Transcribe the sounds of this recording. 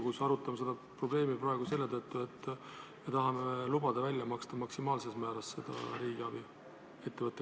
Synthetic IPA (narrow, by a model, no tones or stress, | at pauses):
ɡusɑɾut̪ːˑɑmɑse̞d̪ɑpro̞ble̞ːmipɾɑe̞ɡ̥use̞lːe̞t̪ɤt̪ːˑue̞t̪ːˑ | me̞t̪ɑɦɑmelubɑd̪̥ɑvælʲjɑmɑkst̪ɑmɑksimɑːlse̞smæːɾɑsse̞d̪̥ɑ̰ɾiːɡ̥eɑb̥i | e̞t̪ːevɤt̪ːˑe